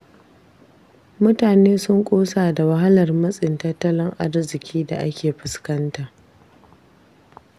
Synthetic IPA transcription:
mʊ˦taː˨neː˦sʊ˦ŋkʷʼoː˦saː˨da˨wɐ˦ɦa˦lɐ˨rmɐ˦sʼɪ˨ntɐ˦tːɐ˦lɪ˦ŋʔa̰˦rzɪ˨kʲiː˦da̰˨ʔa̰˦kʲeː˨ɸɪ˨skɐ˦nta˨ʔ

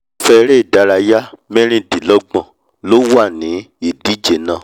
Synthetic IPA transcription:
fɛ˧ɾe˦˨da˨˧˦ɾa˧ja˦mɛ̃˦ɾ̃ĩ˦˨di˨lɔ˨˦ɡ͡bã˧˨ | lo˦wa˦˨nĩ˨˦ | i˨di˦d͡ʒe˨nã˦˨

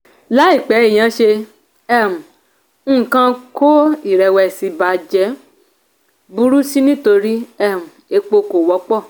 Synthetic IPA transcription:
la˦i˦˨k͡pɛ˨˦i˦˨j̃ã˨˦ʃe˧ | ɛ˦mũ˨ | ñ̩˦˨kã˧ko˦i˦˨ɾɛ˨˧wɛ˧˨si˨˧˦ba˧˦d͡ʒɛ˦ | bu˧ɾu˦si˦nĩ˦to˧ɾi˦ɛ˦˨mũ˨e˧k͡po˧ko˨wɔ˨˧˦k͡pɔ˦˨

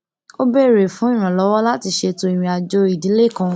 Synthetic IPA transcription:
o˦be˦˨ɾe˨fũ˨˦ĩ˦˨ɾ̃ã˨lɔ˨˦wɔ˦la˦ti˧ʃe˧to˧i˨m̃ĩ˧a˨d͡ʒo˧i˨dĩ˨˦le˦˨kã˧

